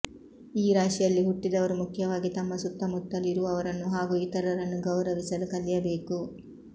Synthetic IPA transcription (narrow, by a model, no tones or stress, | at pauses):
iːɾaːʂijɐlːiɦuʈːid̪ɐʋɐɾumukʰːjɐʋaːɡit̪ɐmːɐsut̪ːɐmut̪ːɐliɾuʋɐʋɐɾɐnːuɦaːɡuit̪ɐɾɐɾɐnːuɡɐwɾɐʋisɐlukɐljɐbeːku